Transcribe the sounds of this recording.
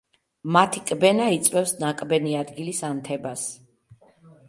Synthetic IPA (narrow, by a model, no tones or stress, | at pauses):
mat̪ʰikʼbɛnait̪sʼwɛfsnakʼbɛniad̪ɡilisamt̪ʰɛbas